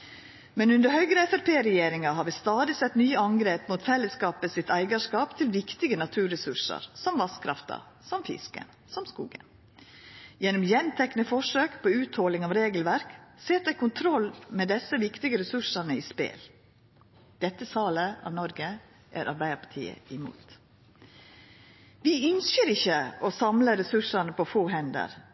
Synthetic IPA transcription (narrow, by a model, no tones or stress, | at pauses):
mɛnʉnd̪əɾhœʏɡɾəɛfæɾpʰeːɾɛjeːɾɪŋɑɦɑːɾʋɪst̪ɑːd̪ɪsɛt̪nyːəɑŋɡɾeːpmuːt̪fɛlːəskɑːpəsɪt̪æɪɡɑʂkɑːpt̪ʰɪlʋɪkt̪ɪɡənɑt̪ʰʉːɾɛsʉʂə̰ɾsɔmʋɑskʰɾɑ̰ft̪ʰɑ̰ | sɔmfɪ̰skə̰n | sɔmskṵːɡə̰n | jɛnːɔmjɛnt̪ʰɛknəfɔʂøːkpʰɔʉːt̪hɔlɪŋɑʋɾeːɡəlʋæɾkseːɾd̪æɪkʊnt̪ʰɾɔlmɛːd̪ɛsəʋɪkt̪ɪɡəɾɛsʉʂɑnəiːspḛːl | d̪̥ɛt̪ːəsɑːləɑ̰ːʋnɔɾɡə | ʔæɾʔɑɾbæɪəɾpɑ̥ʈʰḭːə̰ɪmṵːt̪ | ʋɪʏnsəɾɪçːəɔsɑmləɾɛsʉʂɑnəpɔfoːɦɛnd̪ə̰ɾ